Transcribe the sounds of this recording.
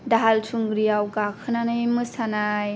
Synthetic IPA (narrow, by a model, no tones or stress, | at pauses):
daɦaltʰuŋɡɾijawɡakʰɯnanamɯsanaj